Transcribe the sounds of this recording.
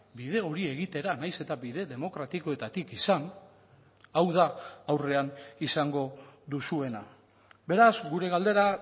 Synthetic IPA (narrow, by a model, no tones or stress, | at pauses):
bið̞e̞o̞ɾie̞ɣit̪e̞ɾanajse̞t̪abiðe̞ðe̞mo̞kɾat̪iko̞e̞t̪at̪ikisan | awðaawre̞anisaŋɡo̞ðusue̞na | be̞ɾazɡuɾe̞ɣald̪e̞ɾa